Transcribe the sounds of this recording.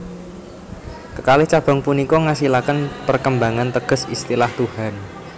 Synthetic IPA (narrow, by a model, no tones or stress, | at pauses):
kəkalɪht͡ʃab̥a̤ŋpunikɔŋasilakənpərkəmbaŋant̪əɡ̥ə̤sist̪ilaht̪uhan